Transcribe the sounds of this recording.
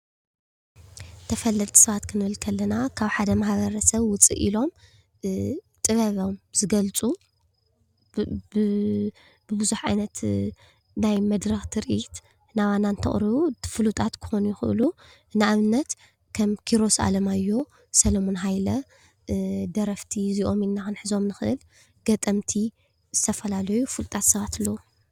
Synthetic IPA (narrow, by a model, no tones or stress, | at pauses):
t̪ʰɐfɐlːɐt̪ʼsɐβat̪kʰɨnɨβɨlkʰɐlːɐnakʰaβħad̪ɐmahβɐɾɐsɐβwʊt͡sʼḭʔilo̞m | t̪ʼɨβɐβomzɨɡɐlt͡sʼu | b̥ɨbɨzuħʕajnɐt̪ | najmɐd̪ɾɐxt̪ʰɨɾʔit̪ | naβanant̪ʰɐχʼɾɨβufɨlut̪ʰʼat̪kʰɨ̥xo̞nujɪxɨʔɨ̰lu | ɨnɨaβɨnːɐt̪ | kʰɐmkʰiɾo̞sa̰lɐmajːo̞ | sɐlomo̞nɦajlɐ | d̪ɐɾɐft̪ʰiziʔo̞minːanħɨzo̞mnɨxɨʔɨ̰l | ɡ̥ɐt̪ʼɐmt̪ʰi | z̥ɨt̪ʰɐfɐlalɐjufɨlt̪ʼat̪sɨβat̪ʰɨlːɐwu